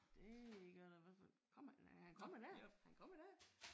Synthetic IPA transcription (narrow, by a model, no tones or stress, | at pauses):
d̥e̝ɡ̥ɶɐd̥eʋæfɒ | kʰɒ̽m̰hænkʰɒ̽m̰ɐd̥æɐhænkʰɒ̽mɐd̥æɐ̰